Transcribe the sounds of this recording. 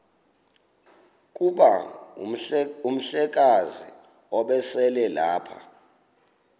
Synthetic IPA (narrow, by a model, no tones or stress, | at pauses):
k̬ʼuɓa | um̩ɬɛk̬azḭ | ɔɓɛsɛlɛlaːpʰa